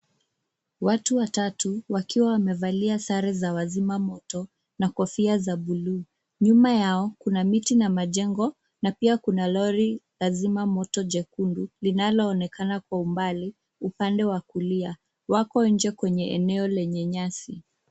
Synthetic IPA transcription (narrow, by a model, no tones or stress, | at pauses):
watuwatatuwakiwawamɛvaliasaɾɛzawazimamɔtɔ | nakɔfiazaɓuluː | ɲumajaɔkunamitinamaʄɛŋɡɔ | napiakunalɔɾilazimamɔtɔd͡ʒɛkundulinalɔːnɛkanakwaumbali | upandɛwakulia | wakɔiɲd͡ʒɛkwɛɲɛɛnɛɔlɛɲɛɲasi